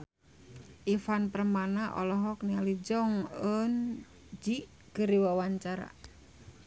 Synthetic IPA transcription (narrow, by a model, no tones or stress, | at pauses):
ʔifanpərmanaʔɔ̰lɔɦɔknialid͡ʒɔŋən | d͡ʒi | kəɾiwawaɲt͡ʃaɾa̰